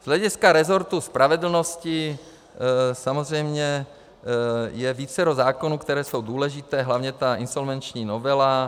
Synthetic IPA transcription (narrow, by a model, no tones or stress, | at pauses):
z̥lɛɟiskaɾɛzoɾt̪uspɾʔavɛd̪l̩nosci | samozrɛjmɲɛ | jɛviːt͡sɛɾozaːkonuːkt̪ɛɾɛːsowd̪uːlɛʒit̪ɛːɦlavɲɛt̪ainsolvɛnt͡ʃɲiːnovɛla